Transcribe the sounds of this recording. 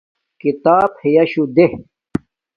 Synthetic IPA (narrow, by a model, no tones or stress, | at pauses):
kit̪aːbhejɐɕud̪eh